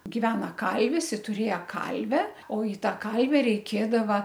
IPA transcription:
ɡʲɪˈʋʲæːnɐ ˈkɐlʲʋʲɪs ɪ tʊˈrʲeːjɛ ˈkɐlʲʋʲɛ oː ɪ ˈtɑː ˈkɐlʲʋʲɛ rʲɛɪˈkʲeːdɐʋɐ

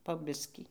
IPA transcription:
poː ˈbʲɪsʲkʲiː

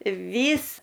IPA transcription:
ˈʋʲiːs

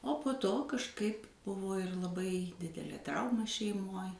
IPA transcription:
oː poː ˈtoː kɐʃˈkɐɪp ˈbʊʋoː ɪr lˠɐˈbɐɪ ˈdʲɪdʲɛlʲeː ˈtrɐʊmɐ ʃʲɛɪˈmoːj

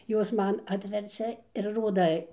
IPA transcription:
ˈjoːs ˈmɐn ˈɑːtʲʋʲɛrʲt͡sʲɛ ɪr ˈroːdɐ

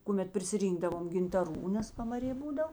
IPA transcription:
kʊˈmʲɛt pʲrʲɪsʲɪˈrʲiːŋɡdɐʋoːm ɡʲɪntɐˈruː nʲɛs pɐmɐˈrʲeː ˈbuːdɐw

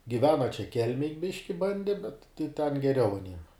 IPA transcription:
ɡʲɪˈʋʲæːnɐ t͡ʃʲɛ ˈkʲɛlʲmʲeːj ˈbʲɪʃʲkʲɪ ˈbɐnʲdʲɛ bʲɛt tɐɪ tʲɛn ɡʲɛˈrʲɛʊ ɐˈnʲiɛm

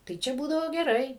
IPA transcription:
tɐɪ ˈt͡ʃʲɛ ˈbuːdɐʋoː ɡʲɛˈrɐɪ

